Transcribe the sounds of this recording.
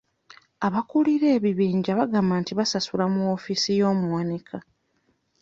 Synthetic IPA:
aβakuliɾe̞ːβiβiːɲɟaβaɡaːmaːntiβasasulamuofisijo̞ːmuwanikʰa

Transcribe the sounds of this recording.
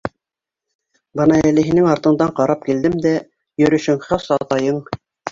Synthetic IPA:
bɤnɑælɘ̆ɦinɘŋɑɾt̪ɤ̆ɴd̪ɑɴqɑɾɑp̚kild̪ɘmd̪æ | jɵ̆ɾɵ̆ʃɘŋχɑsɑt̪ɑjɤɴ

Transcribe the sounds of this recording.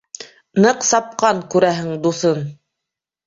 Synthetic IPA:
nɤqsɑp̚qɑɴkʉɾæɦɘŋd̪uθɤn

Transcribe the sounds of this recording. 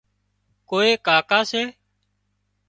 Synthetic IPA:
koːeːkaːkaːseː

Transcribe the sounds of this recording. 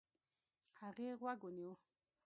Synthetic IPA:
aɣeɣwaɡoniɔ

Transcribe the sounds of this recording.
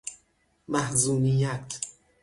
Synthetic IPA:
mæhzuːnijæt̪ʰ

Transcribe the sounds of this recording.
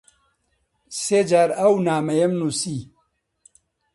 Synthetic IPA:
seːd͡ʒaːɾɐwnaːmɐjɐmnusi

